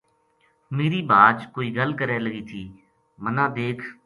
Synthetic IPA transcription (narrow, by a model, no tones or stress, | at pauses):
meːɾiːbaːd͡ʒkoːiːɡəlkəɾɛːləɡiːt̪ʰiː | mənãːd̪eːkʰ